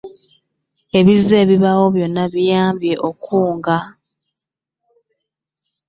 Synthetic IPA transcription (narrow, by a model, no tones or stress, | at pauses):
e̞βize̞ːβiβawo̞βjo̞nːaβijaːmbje̞ʔokʰuːŋɡa